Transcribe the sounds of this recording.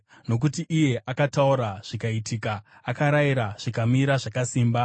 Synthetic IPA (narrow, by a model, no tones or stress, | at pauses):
no̞k̬utiʔːje̞ʔakatauɾaʐ̥ikaitiːkaːkaɾajiɾaʐ̥ikamiɾaʐakasiːmba